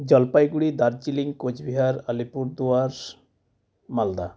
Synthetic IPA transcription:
d͡ʑɔlpajɡuɽid̪aɾd͡ʑiliŋkot͡ɕbiɦaɾalipuɾd̪uaɾ | mald̪a

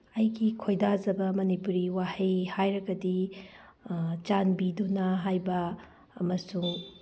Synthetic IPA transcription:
ɐjɡikʰojdazɐbɐmɐnipuɾiwahejhajɾɐɡɐdi | t͡ʃanbidunɐɦajbɐː | mɐsuŋ

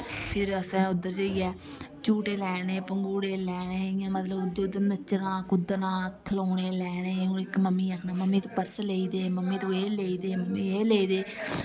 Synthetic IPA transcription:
pʰɪɾəsɛ̃ːʊd̪ːəɾd͡ʒəiːɛːt͡ʃuːʈeːlɛːneːpəŋɡuːɽeːlɛːɽeːɪjãːmət̪ləbʊd̪eːd̪əɾnət͡ʃːnãːkʊd̪nãːkʰəloːneːlɛːɽeːũːɪkməmːiːakʰnaːməmːĩːt̪õːpəɾsleːiːd̪eːməmːĩːt̪õːeːleːiːd̪eːməmːiːeːleːiːd̪eː

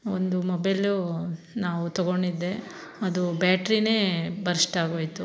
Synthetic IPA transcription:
ond̪umobɐjlu | naːʋut̪ɔɡoɳɖid̪ːe̞ɐd̪ubjaːʈɾine̞ːbɐɾisʈaːɡoːjt̪u

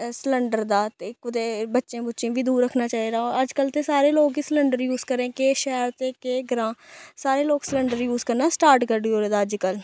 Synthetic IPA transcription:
sləɳɖəɾd̪aːt̪ekʊd̪eːbətːʃẽːbətːʃẽːbiːd̪uːɾːəkʰnaːt͡ʃaːɦid̪aːɔːɾəd͡ʒkəlt̪eːsaːɾeːloːɡisləɳɖəɾjuːzkəɾẽːkeːʃɛːɾt̪eːkeːɡɾãːsaːɾeːloːɡsləɳɖəɾjuːzkəɾnaːsʈaːɾʈkəɾɖioːɾeːd̪aːəd͡ʒkəl

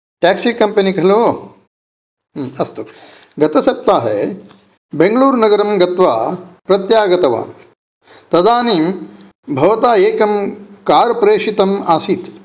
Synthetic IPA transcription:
ʈæːksiːkɐmpɐnikɐɦɐloː | ɦɐst̪o | ɡɐt̪ɐsɐp̚t̪aːɦḛ | beŋɡɐluːɾnɐɡɐɾɐmɡɐt̪ʋaːpɾɐt̪jaːɡɐt̪ɐʋa̰ːm | t̪ɐd̪aːniːm | bʱɐʋɐt̪aːeːkɐmkaːɾpɾeːʂit̪ɐmaːsit̪

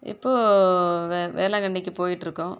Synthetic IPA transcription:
ɪ̰pːoːʋʋḛːɾlãːkɐɳɖɪkːɯpoːjɪʈːɪɾɯkːʊ̃ː

